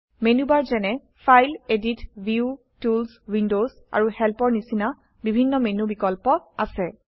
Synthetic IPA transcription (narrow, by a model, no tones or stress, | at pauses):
menubaɹzɛnɛ | fʰajleditviu | tulswindoz | a̰ɹuhɛlpɔɹnisina | bibʱinːɔmenubikɔlpɔasɛ